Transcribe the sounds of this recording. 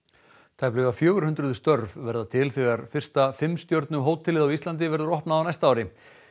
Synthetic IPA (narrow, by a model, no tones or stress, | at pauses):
t̪ʰajplʏɣafjœːɣʏɾ̥hʏnt̪ɾʏðʏst̪œɾvvɛɾðat̪ʰɪlθɛɣaɾfɪr̥st̪afɪmst̪jowɾt̪nʏɦoːwt̪ʰːɪlɪðawist̪lant̪̬ɪvɛɾðʏɾɔhpnaawnajst̪aaːwɾɪ